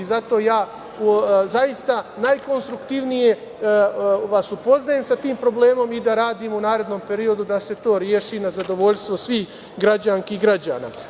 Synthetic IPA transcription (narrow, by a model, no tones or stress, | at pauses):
izat̪o̞jaː | zajist̪anajko̞nst̪ɾukt̪iʋnije̞ | ʋasupo̞znaje̞msat̪iːmpɾo̞ble̞ːmo̞mid̪aɾaːd̪iːmunaːɾe̞d̪no̞mpe̞ɾio̞d̪ud̪ase̞t̪o̞ːɾjeʃinazad̪o̞ʋo̞ʎʲst̪ʋosʋiːx | ɡɾad͡ʑaŋkiɡɾad͡ʑa̰ːna̰ː